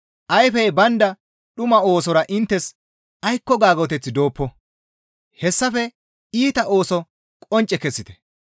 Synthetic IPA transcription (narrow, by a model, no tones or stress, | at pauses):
ʔɐjfɛjbɐnd̪ɐ | ɗʊmɐo̞ːsɔɾɐʔɪnt̪ːɛs | ɐjkːɔɡaːɡɔt̪ɛt͡sːɪd̪o̞ːpːɔ | hɛsːɐfɛ | iːt̪ɐʔo̞ːsɔ | kʼɔnt͡ʃʼɛkɛsːɪt̪ɛ̥